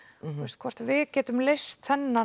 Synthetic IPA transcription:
ɛst̪̚kʰvɔr̥t̪vɪðcɛːt̪ʏmlejst̪θɛnːa

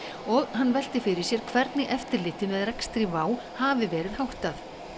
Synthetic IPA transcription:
ɔɣhanːvɛl̥t̪ɪfɪɾɪɾsjɛɾ̥kʰvɛɾt̪nɪʔɛft̪ɪɾlɪːht̪ɪmɛðrɛkst̪ɾɪvaːw | haːvɪvɛːɾɪðhawht̪aθ

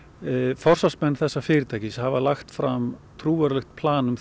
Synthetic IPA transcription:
fɔr̥sasmɛnːθɛsːafɪːɾɪt̪ʰaːjcɪshavalaxt̪fɾamt̪ʰɾuːvaɾlɛxt̪̚pʰlaːnʏm

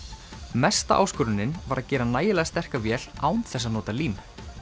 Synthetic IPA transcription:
mɛst̪a̰ʔa̰ːwskʏɾʏnːɪnvaɾʔaðcɛːɾanaːjɪlɛːɣast̪ɛr̥kavjɛːl̥aːwnθɛs̬ːaðnɔːt̪aliːm

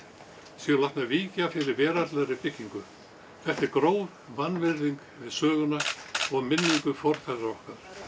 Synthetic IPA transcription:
sjɛlaht̪naviːcafɪɾɪɾvɛːɾat̪lɛɾɪpɪhcːiŋkʏ | θɛht̪ɛɾkɾoːwv | vanːvɪɾðiŋk | vɪðsœːɣʏnaɔɣmɪnːiŋkʏfɔɾ̥fɛɾaɔhkaɾ̥

